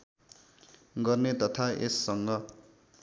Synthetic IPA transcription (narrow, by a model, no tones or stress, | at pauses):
ɡʌrnet̪ʌt̪ʰaʔḛsːʌŋɡʌ